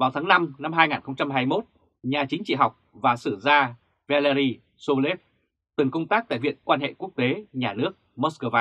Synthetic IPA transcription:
vaː˨˩wt̪ʰaː˨˦ŋna˧mna˧mɦaː˧jŋaː˨˩nxə˧wŋ͡mt͡ɕa˧mɦaː˧jmo˦˥t̚ | ɲaː˨˩t͡ɕï˨˦ŋ̟t͡ɕḭ˧˨ɦa˨˩wk͡p̚vaː˨˩sɨ˧˩zaː˧ | vɛ˧lɛ˧ɾi˧ | so˧le˦˥p̚ | t̪ɨ˨˩ŋkə˧ŋ͡mt̪aː˦˥k̚t̪a̰ː˧˨jvḭ˧˨ənkwaː˧nhḛ˧˨ku˦˥ək̚t̪e˨˦ɲaː˨˩nɨ˦˥ək̚mo˦˥tskəː˧vaː˧

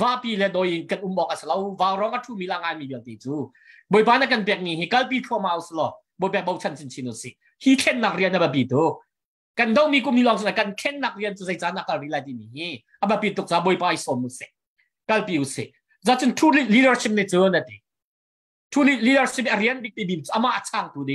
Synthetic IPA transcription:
va˧ʔpiː˧˨lɛ˧dɔ˧˨ji˧˨kɐ˧nʔu˧˨mɓɔː˧k̚ʔa˨sə˧lo˧wva˧wɾɔ˧˦ŋʔa˧t̪ʰu˧mi˧˨la˧ŋaː˧˨nmi˧˨bi˧əlt̪ɛ˨jt͡su˧˦ | bo˨jp̬aː˧˦na˧˨kɐ˧˨npɛ˧˨k̚mi˧˨ɦi˧kɐ˧˦lp̬iː˧t̪ʰɔ˧ma˧˨u˧si˧lɔ˧˨ | bo˧˨jpɛ˧k̚ɓɔ˧wt͡sʰɐ˧˨nsi˧nt͡sʰi˧˨nu˨sḭ˧˨ | hi˦kʰɛ˧nːa˨k̚ri˧əna˧bə˨p̬i˨t̪u˦k̚ | kɐ˧˨ndɔ˧wmi˧k̬u˧˨mni˧lɔː˧˨ŋs̬u˧a˧kɐ˧˨nkʰɛ˧nːa˨k̚ri˧ənt͡suː˧ze˧jt͡saː˧˦na˧˨kɐ˧lri˧˦la˧˨jt̪i˧˨mi˨hi˧ | ʔa˨bɐ˧pi˧˩t̪ʊ˨k̚t͡saː˧˦bo˧˨jpaː˧˦i˧sɔ˨nu˧˨sɛ˧˨ʔ | kɐ˧lpi˧˨u˨sḭ˨ʔ | zaː˧˦t͡su˧˦ntʰu˦li˧də˧rsi˧p̚ni˧t͡su˦na˧t̪i˨˩ | tʰuː˧lli˧də˧rsi˧˨p̚a˨ri˧ənbi˧k̚t̪i˧bi˧˨t͡su˧a˧ma˧ʔa˧t͡sʰaː˧ŋt̪uː˧di˧

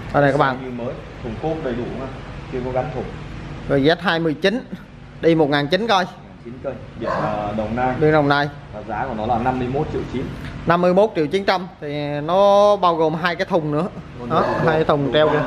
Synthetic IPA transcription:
kɔ˧˩n˨˩kaː˦˥k̚ɓ̰a̰ː˧˨ɲɨ˧məː˨˦jt̪ʰʊ˨˩ŋ͡mku˦˥k̚ɗə˨˩jɗṵ˧˩ŋaː˨˧˦t͡ɕɨ˧əkɔ˨˦ɣa˨˦ŋt̪ʰʊ˨˩ŋ͡mzo˨˩jzɛ˦˥t̚ɦaː˧jmɨ˨˩əjt͡ɕi˨˦n | ɗi˧mo˨˩ŋaː˨˩nt͡ɕi˨˦nkɔ˧jŋaː˨˩nt͡ɕi˨˦nkə˧jɓi˧˩ənəː˨˩ɗə˨˩wŋ͡mnaː˧jɗi˨˧˩əŋ̚ɗə˨˩wnaː˧j | vaː˨˩zaː˨˦ku˧˩ənɔ˨˦laː˨˩na˧mːɨ˧əjmo˦˥t̚t͡ɕḭ˧˨əwt͡ɕi˨˦nna˧mːɨ˧əjmo˦˥t̚t͡ɕḭ˧˨əwt͡ɕi˨˦nt͡ɕa˧mt̪ʰi˨˩nɔ˨˦ɓaː˧wɣo˨˩mɦaː˧jkaː˨˦jt̪ʰʊ˨˩ŋ͡mnɨ̰˧˥ə˧ | ɔ˨˦ɦaː˧ja˨˦t̪ʰʊ˨˩wŋ͡mt͡ɕɛ˧wə˧

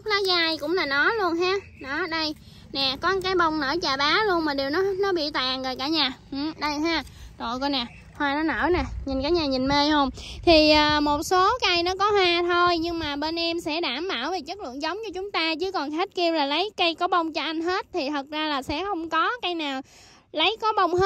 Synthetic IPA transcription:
ʊ˦˥k̚laː˨˦ɣaː˧jkʊ̰˧˥ŋ͡mlaː˨˩nɔ˨˦lu˧ənɦaː˧˥ | nɔ˨˦˧ɗə˧j | nɛ˨˩kɔ˨˦kaː˨˦jɓə˧wŋ͡mnəː˧˩t͡ɕaː˨˩ɓaː˨˦lu˧ənmaː˨˩ɗi˨˩wnɔ˨˦˥nɔ˨˦ɓḭ˧˨t̪a̰ː˧˨ŋɣəː˨˩jkaː˧˩ɲaː˨˩ʔ̩˨˩ɗə˧jɦaː˧˩t̪o̰˧˨jko˧jnɛ˨˩ | hwaː˧nɔ˨˦nə̰ː˧˩nɛ˨˩ɲi˨˩nkaː˨˩˥jɲaː˨˩ɲi˨˩nme˧jho˧wŋ͡mt̪ʰi˨˩ʔəː˨˩mo˨˩t̚so˨˦kaː˧jnɔ˨˦kɔ˨˦hwaː˧t̪ʰo˧jɲɨ˧ŋmaː˨˩ɓe˧nʔɛ˧msɛ̰˧˥ɗaː˧˩mɓaː˧˩wve˨˩t͡ɕə˦˥k̚lɨ̰˧˨ŋzə˨˦wŋ͡mt͡ɕɔ˧t͡ɕʊ˨˦ŋ͡mt̪aː˧t͡ɕɨ˨˦kɔ˨˩nxe˦˥t̚ki˧əwlaː˨˩lə˨˦jkə˧jkɔ˨˦ɓə˧wŋ͡mt͡ɕɔ˧ʔa˧jŋ̟ɦe˦˥t̚t̪ʰi˨˩t̪ʰə˨˩k̚zaː˧laː˨˩sɛ̰˧˥xə˧wŋ͡mkɔ˨˦ka˧jnaː˨˩w | lə˨˦jkɔ˨˦ɓə˧wŋ͡mhe˦

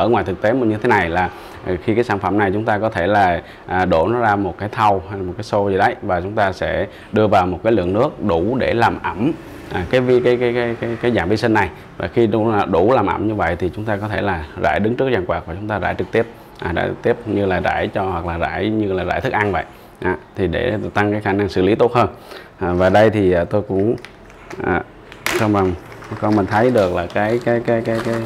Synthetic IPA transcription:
ʔəː˧˩ŋwa˨˩jt̪ʰɨ˨˩k̚t̪e˨˦mɨ˨˩ɲɨ˧t̪ʰe˨˦na˨˩jlaː˨˩˨ | xi˧kaː˨˦saː˧˩nfə˧˩mna˨˩jt͡ɕʊ˨˦ŋ͡mt̪aː˧kɔ˨˦t̪ʰe˧˩laː˨˩ | ʔːɗo˧˩nɔ˨˦zaː˧mo˨˩t̚kaː˨˦jt̪ʰa˧wha˧laː˨˩mo˨˩t̚kːaː˨˦so˧zi˨˩ɗə˨˦jvaː˨˩t͡ɕʊ˨˦ŋ͡mt̪aː˧sɛ̰˧˥ | ɗɨ˧əvaː˨˩wmo˨˩t̚kaː˨˦lɨ̰˧˨əŋnɨ˦˥ək̚ɗu˧˩ɗe˧˩laː˨˩mʔə˧˩m | ʔa˨˩kaː˨˦jvi˧kaː˨˦jkːjkaː˨˦jkaː˨˦jkaː˨˦jzaː˨˩ŋvi˧sï˧nːa˨˩j | vaː˨˩xi˧˨˩ɗu˧˩laː˨˩mʔə̰˧˩mɲɨ˧və̰˧˨jt̪ʰi˨˩t͡ɕʊ˨˦ŋ͡mt̪aː˧k̬ɔ˨˦t̪ʰe˧˩laː˨˩za̰ː˧˩jɗɨ˨˦ŋt͡ɕɨ˦˥ək̚zaː˧˩ŋkwaː˨˩vaː˨˩t͡ɕʊ˨˦ŋ͡mt̪aː˧za̰ː˧˩jt͡ɕɨ˨˩k̚t̪i˦˥əp̚ | ʔaː˨˩za̰ː˧˩t̪i˦˥əp̚ɲɨ˧laː˨˩za̰ː˧˩jt͡ɕɔ˧hwa˨˩k̚laː˨˩za̰ː˧˩jɲɨ˧laː˨˩za̰ː˧˩t̪ɨ˦˥k̚ʔa˧nvə̰˧˨j | ʔaː˨˩t̪ʰi˨˩ɗe˧˩t̪a˧ŋkaː˨˦jxaː˧˩na˧ŋsɨ̰˧˩li˨˦t̪o˦˥t̚həː˧n | ʔaː˨˩vaː˨˩ɗə˧jt̪ʰi˨˩ʔːt̪o˧jkʊ̰˧˥ŋ͡m | ʔaː˨˩ | sva˨˩ŋ͡mkɔ˧nmə˨˩nt̪ʰə˨˦jɗɨ˨˩ək̚laː˨˩kaː˨˦jkaː˨˦jkaː˨˦jkaː˨˦jkaː˨˦j

